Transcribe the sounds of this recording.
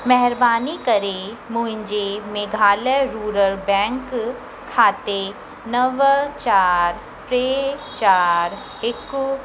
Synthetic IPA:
mɛɦɛɾbaːnikəɾemuːɪ̃ɲd͡ʒemeɡʱaːleɾuːɾəɾbɛ̃ːŋkʰː | aːt̪e | nəʋt͡ʃaːɾ | pɾeːt͡ʃaːɾ | ɪku

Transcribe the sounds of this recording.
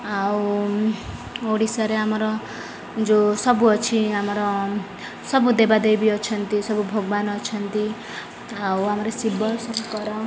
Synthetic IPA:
aw | oɽisʌɾeɦamʌɾʌ | d͡zosʌbuʌt͡sʰiamʌɾʌ | sʌbud̪ebad̪ejbiʌt͡sʰʌnt̪isʌbubʱoɡbanʌt͡sʰʌnt̪i | awɦamʌɾʌsibʌlsʌmukʌɾʌ

